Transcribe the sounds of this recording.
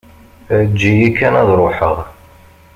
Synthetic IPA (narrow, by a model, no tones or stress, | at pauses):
d͡ʒːijikːænæðɾˤoħəʁ